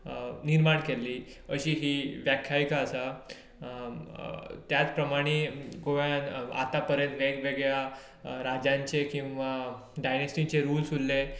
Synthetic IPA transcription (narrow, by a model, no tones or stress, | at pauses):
niɾmaɳkelːiː | əɕiːɦiːʋjakʰjaʋikaəsa | t̪jat͡spɾəmaɽ̃iɡoʋjana̰t̪apəɾjənt̪ʋeɡʋeɡɭja | ɾad͡ʑãɲt͡ɕekĩw̃ʋa | ɖajnesʈit͡ɕeɾuːlsulːe